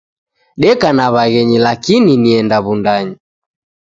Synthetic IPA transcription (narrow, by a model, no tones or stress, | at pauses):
ɗɛkanaβaɣɛɲilakininiɛndaβundaɲi